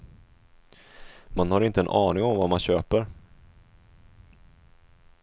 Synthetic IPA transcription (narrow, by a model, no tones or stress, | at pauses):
manhaɾɪnt̪əɛnʔɑːnɪŋɔmvamanɕøːpəɾ